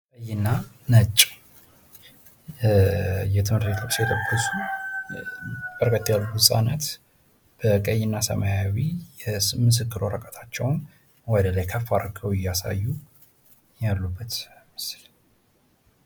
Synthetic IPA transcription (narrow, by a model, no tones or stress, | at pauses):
kʼəjːɪnːa | nət͡ʃʼ | jɛt̪ʰɨmhɨɾt̪bet̪ʰoksijɛt̪ʰəkʰːəsu | b̥əɾkʰʼət̪ːjalːuwʊsʼa̰nət̪ | b̥əkʼəjːɪnːasə̰majawijɛmɨs̬ɨkːɨɾoɾəkʼət̪ʰḁt͡ʃːɛwn | wɔd̪əlajkʰəfːaɾkʰəwɪjasa̰jːu | jalːubːət̪mɨsl